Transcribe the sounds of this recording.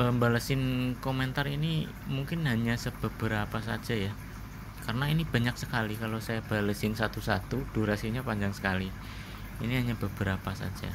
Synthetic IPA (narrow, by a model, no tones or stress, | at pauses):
əmbalasɪnkomɛnt̪arini | muŋkɪnɦaɲasəb̥əb̥əɾapasad͡ʒaja | karənainib̥a̤ɲak̚səkalikalosajab̥a̤lasɪnsat̪usat̪ud̥uɾasiɲapaɲd͡ʒaŋsə̥kali | iniɦaɲab̥əb̥əɾapasa̰d͡ʒa̰